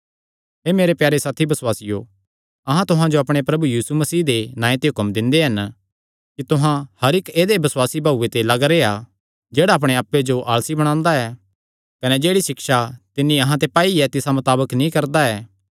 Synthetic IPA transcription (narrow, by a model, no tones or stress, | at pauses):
ɦeːmeːɾepjaːɾesaːt̪ʰibɐswaːsɪjo | ɐɦãt̪ʊɦãd͡ʒoɐpɽ̃epɾɐbujiːsumɐsiːd̪enãːẽt̪eɦʊkəmd̪ɪ̃nd̪eɦɐn | kit̪ʊɦãhɐɾɪkeːd̪ebɐswaːsibʱaːuːet̪elɐɡɾea | d͡ʒeːɽaɐp̬ɽ̃eaːpːed͡ʒoʔaːlsibɐɽ̃ãːnd̪aɛː | kɐnɛd͡ʒeːɽisɪkʃat̪ɪnːĩɐɦãt̪epaːiɛt̪ɪsamʊt̪aːbəknĩkɐɾd̪aɛː